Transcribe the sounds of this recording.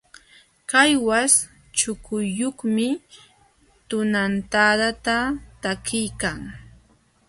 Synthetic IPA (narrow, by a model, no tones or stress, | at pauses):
kajwas | t͡ʃʊkʰʊjːoχmɪ | t̪ʊnant̪ad̪at̪at̪akɪjkaŋ